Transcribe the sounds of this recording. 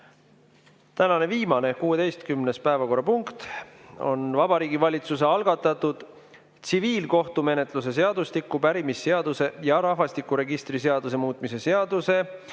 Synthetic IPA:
t̪ænɑne̞viːmɑne̞kuːe̞t̪e̞jst̪̚kymnespæevɑko̞rːɑpuŋkt̪o̞̰nvɑbɑɾiːɡ̥ivɑlʲit̪suseɑlɡ̥ɑt̪ːˑɑt̪ːˑud̪̥ | t̪siviːlko̞ht̪ume̞ne̞t̪ˑlus̬e̞s̬e̞ɑd̪̥ust̪ikːˑupæɾimisːe̞ɑd̪̥use̞jɑɾɑɦvɑst̪ikːˑuɾe̞ɡist̪rise̞ɑd̪us̬e̞muːt̪ːˑmise̞se̞ɑd̪̥use̞

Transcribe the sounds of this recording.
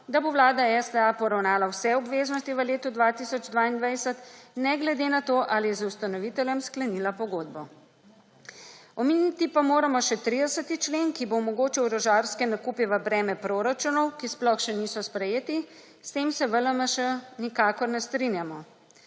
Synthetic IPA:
d̪aboʋlaːd̪aɛsd̪əapɔɾawnaːlawsɛɔbʋeːznɔst̪iʋəleːt̪ud̪ʋat̪isɔd͡ʒd̪ʋaːind̪ʋajsət̪nɛɡlɛd̪enat̪oːʔalijɛzust̪anɔʋit̪ɛlʲjɛmsklɛnilapɔɡoːd̪̚bɔ | ɔmeːnit̪ipamoːɾamɔʃɛt̪ɾid̪ɛsət̪it͡ʃleːnkibomɔɡoːt͡ʃiwɾɔʒaːɾskɛnakuːpiʋəbɾɛːmɛpɾoːɾat͡ʃunɔwkisplɔxʃɛnisɔspɾɛjeːt̪i | st̪eːmsɛʋələmaʃɛnikaːkɔɾnɛst̪ɾinjamɔ

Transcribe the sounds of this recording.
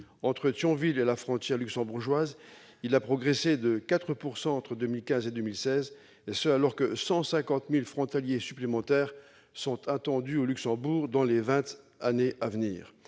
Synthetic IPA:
ɑ̃t̪χət̪jɔ̃vilelafχɔ̃t̪jɛʁlyksɑ̃buʁʒwaz | ilapχɔɡʁesed̪əkat̪χəpuʁsɑ̃ɑ̃t̪χəd̪ømilkʲɛ̃zed̪ømilsɛz | esəalɔʁkəsɑ̃sɛ̃kɑ̃t̪milfχɔ̃t̪aljesyplemɑ̃t̪ɛːʁ | sɔ̃t̪ʰɑ̃t̪ɑ̃d̪yolyksɑ̃buʁd̪ɑ̃levɛ̃t̪ | aneʔavnḭːʁ

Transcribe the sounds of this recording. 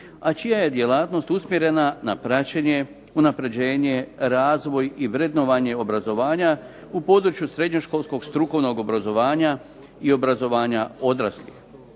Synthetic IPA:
at͡ʃijaje̞d̪je̞laːt̪no̞st̪usmjeɾe̞nanapɾat͡ɕeɲe̞ | unapɾe̞d͡ʑe̞ːɲe̞ɾaːzʋo̞jiʋɾed̪noʋaɲe̞o̞bɾazo̞ʋaːɲa | upo̞d̪ɾut͡ʃjusɾe̞d̪ɲo̞ʃko̞lˠsko̞ɡst̪ɾuko̞ʋno̞ɡo̞bɾazo̞ʋaːɲa | io̞bɾazo̞ʋaːɲao̞d̪ɾa̰slḭx

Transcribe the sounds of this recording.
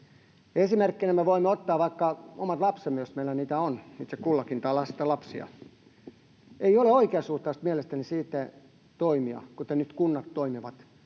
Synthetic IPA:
esimerkːinemeʋoimːeot̪ːɑːʋɑikːɑomɑt̪lɑpsemːejosmeilːæniːt̪æonit̪sekkulːɑkint̪ɑːlɑsi̥t̪ɑlɑpsiɑ̰ | eioleoikeɑsuht̪ˑɑust̪mielest̪ænisiːt̪ːæ | t̪oimiɑ̰kut̪enyt̪kunːɑt̪toimiʋɑt̪

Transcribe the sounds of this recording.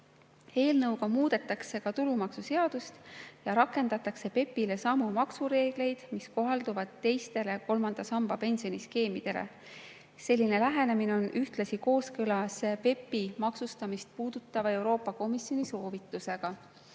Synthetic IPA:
e̞ːlnɤwɡɑmuːd̪̥e̞t̪ːˑɑkse̞kɑt̪ulumɑksuse̞ɑd̪̥ust̪jɑɾɑkːˑe̞nd̪ɑt̪ːˑɑkse̞pe̞pːile̞sɑmːumɑksuɾe̞ːɡ̥le̞jd̪̥misko̞ɦɑld̪̥uvɑd̪̥t̪ːe̞jst̪e̞le̞ko̞lmɑnd̪̥ɑsɑmb̥ɑpe̞nsio̞niske̞ːmid̪̥e̞lḛ | se̞lʲːine̞læɦe̞ne̞mineo̞nʔyht̪lɑsiko̞ːskɯlɑspe̞pːimɑksust̪ɑmist̪̚puːd̪̥ut̪ːˑɑvɑe̞wɾo̞ːpːˑɑko̞misjo̞niso̞ːvit̪ːˑuse̞ɡ̥ɑ

